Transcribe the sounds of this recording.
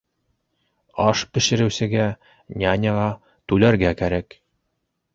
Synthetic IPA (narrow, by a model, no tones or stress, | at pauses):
ɑʃpɘ̆ʃɘ̆ɾɘ̆wsɘ̆ɡæ | nʲænʲɤʁɑ | t̪ʉlæɾɡækæɾæk